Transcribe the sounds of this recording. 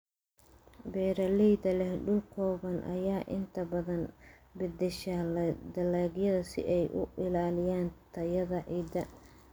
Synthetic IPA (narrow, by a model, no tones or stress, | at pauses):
bɛːɾɐlɛjd̪ɐlɛhɖʊlkʰɔːβɐnʔɐ̰jaːʔɪ̰nt̪ʰɐbɐðɐn | bɪd̪ɪʃɐld̪ɐlaːɡjɐðɐsɪ̰ʔɛjʔʊ̰ʔɪlaːlɪjaːnt̪ʰɐjɐðɐʕiːd̪ɐ